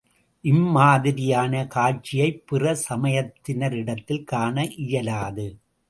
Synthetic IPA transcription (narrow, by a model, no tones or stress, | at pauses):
ʔɪmːaːðɪɾɪjaːnɐkaːt͡ʃɪjɐɪpːɪrɐsɐmɐjɐt̪ːɪnɐɾɪɽɐt̪ːɪlkaːɳɐʔɪjɐlaːðɯ